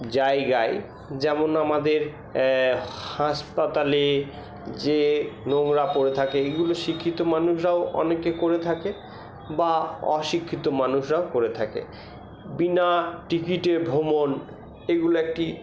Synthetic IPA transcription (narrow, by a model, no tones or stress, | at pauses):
d͡ʑajɡaj | d͡ʑɛmonamad̪eɾ | haʃpat̪ale | d͡ʑenoŋɾapoɾet̪ʰakeeɡuloʃikʰːit̪omanuʃɾaoʔɔ̰nekekoɾet̪ʰake | baɔ̰ʃikʰːit̪omanuʃɾaokoɾet̪ʰakḛ | binaʈikiʈeɾbʱomon | eɡuloek̚ʈi